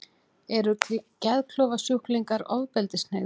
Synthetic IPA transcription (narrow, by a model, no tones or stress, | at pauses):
ɛɾʏcɛðkʰlɔːwvasuhkliŋkaɾɔwðpɛlt̪ɪsneː